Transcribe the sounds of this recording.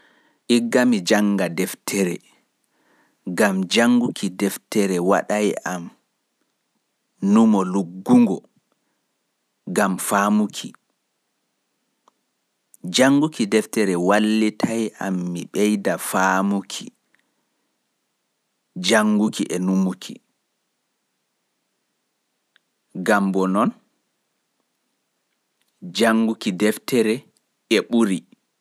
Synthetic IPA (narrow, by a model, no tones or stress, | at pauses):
ʔiɡːamid͡ʒaŋɡadɛftʰɛɾɛ̰ | ɡamd͡ʒaŋɡukʰidɛftɛɾɛwa̰ɗajʔam | numɔluɡːuŋɡɔ | ɡamfaːmukʰi | d͡ʒaŋːɡukidɛftɛɾɛwalːitʰajʔa̰mːiɓɛjdafaːmukʰḭ | d͡ʒaŋɡukiʔɛnumukʰḭ | ɡambɔnɔn | d͡ʒaŋɡukidɛftɛɾɛ | ɛɓuɾi